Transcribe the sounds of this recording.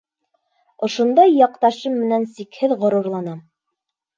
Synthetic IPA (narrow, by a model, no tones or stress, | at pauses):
ŏʃŏnd̪ɑjːɑqt̪ɑʃɤmːɘ̆nænsikhɘðʁŏɾŏɾlˠɑnɑ